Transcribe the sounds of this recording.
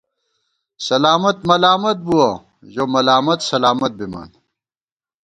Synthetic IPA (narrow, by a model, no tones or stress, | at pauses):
sɐlaːmɐt̪mɐlaːmɐt̪̚buwɐ | ʑomɐlaːmɐt̪sɐlaːmɐt̪̚bimɐ̰ːn